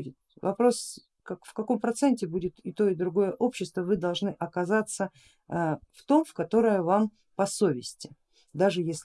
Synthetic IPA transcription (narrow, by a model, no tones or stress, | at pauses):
dʲɪt̪ | vɐ̰pɾo̞s | kɐkfkɐko̞mpɾɐt̪sɛnʲtʲɪbudʲɪt̪ɪt̪o̞ɪd̪ɾʊɡo̞jəʔo̞pɕːɪst̪vəvɨd̪ɐlˠʐnɨʔɐkɐzat̪sə | ft̪o̞mfkɐt̪o̞ɾəjəvam | pɐso̞vʲɪsʲtʲɪ | d̪aʐɨjesʲlʲ